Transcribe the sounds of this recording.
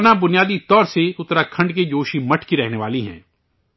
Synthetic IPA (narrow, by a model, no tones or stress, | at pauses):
nabʊnijaːd̪it̪ɔːɾseʊt̪ɾakʰɐ̃ɳɖked͡ʒoːʃimɐʈʰkiɾɛɦneʋaːliɦɛ̰̃ː